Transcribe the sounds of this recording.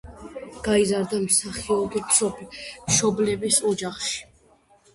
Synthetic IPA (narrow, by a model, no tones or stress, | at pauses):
ɡ̥aizaɾd̪amsaχiɔɡipʃɔmʃɔblɛbisɔd͡ʒaχʃi̥